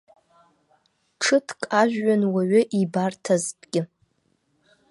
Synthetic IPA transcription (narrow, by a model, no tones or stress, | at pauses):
ʈ͡ʂʰɨtʰkʼaʒᶣɥanwaɥʏʔibartʰaztʼɡʲɪ